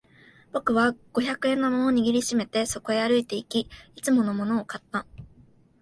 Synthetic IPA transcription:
b̥o̞kɯ̟βaɡ̥o̞çakɯ̟ẽ̞nːo̞mo̞no̞ɲ̟iɡʲiɾʲiɕime̞t̪e̞so̞ko̞e̞aɾɯ̟it̪e̞ikʲiit͡sɨmo̞no̞mo̞no̞ːkat̪ːa

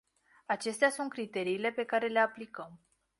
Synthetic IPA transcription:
at͡ʃe̞st̪easunt̪̚kɾit̪e̞ɾiːle̞pe̞kaɾe̞le̞aplikəm

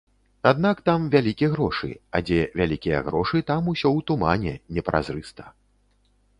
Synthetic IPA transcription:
ad̪nakt̪amvʲalʲikʲiɣɾɔʂɨ̰ad͡zʲɛvʲalʲikʲijɐ̰ɣɾɔʂɨt̪amusʲɔwt̪umanʲɛnʲɛpɾʔa̰zɾɨst̪ɐ̥

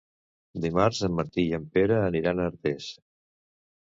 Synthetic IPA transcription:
d̪imaɾzəmːəɾt̪iəmpeɾəːniɾanəɾt̪es

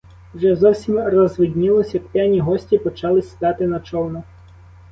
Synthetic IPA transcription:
wʒɛzɔwsʲimrɔzʋɪdʲnʲɪlˠɔsʲjɐkpʲɛnʲiɦɔsʲtʲipɔt͡ʃɑlˠɪsʲid̪ɑt̪ɪnɐt͡ʃɔwnɐ

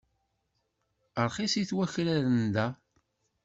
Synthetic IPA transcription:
əɾˤχisiθwæçɾæɾənd̪æ

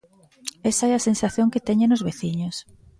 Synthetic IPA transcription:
esaɛɐsensaθjõŋket̪ɛɲẽnozβeθiɲos

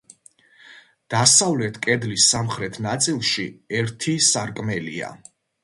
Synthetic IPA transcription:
d̪̥asavlɛt̪ʰkʼɛd̪lisːamχɾɛt̪ʰnat̪sʼilˠʃiɛɾt̪ʰisaɾkʼmɛlḭa̰

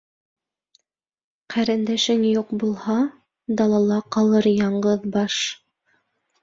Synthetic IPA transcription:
qʰæɾɘ̆nd̪æʃɘŋjuqbulˠhɑ | d̪ɑlˠɑlˠɑqɑlˠɤɾjɑɴɢɤðbɑʃ

